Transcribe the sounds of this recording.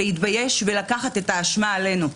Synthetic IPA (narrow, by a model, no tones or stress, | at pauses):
eitbaje̞ʃvelakaχat̪e̞taːʃmaːle̞nu